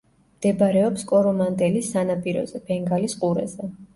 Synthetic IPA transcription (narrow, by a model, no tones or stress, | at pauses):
md̪̥ɛbaɾɛɔpskʼɔɾɔmand̪ɛlisanapʼiɾɔ̰zɛb̥ɛŋɡalisqʼuɾɛ̰zɛ